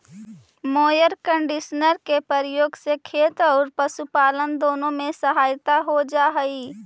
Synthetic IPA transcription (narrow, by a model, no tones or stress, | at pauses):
moːjəɾkə̃ɳɖɪʃənəɾkepəɾjoːɡsekʰeːt̪ɔːɾpəʃupaːlənd̪oːnõmẽsəɦaːjt̪aɦod͡ʒaːɦiː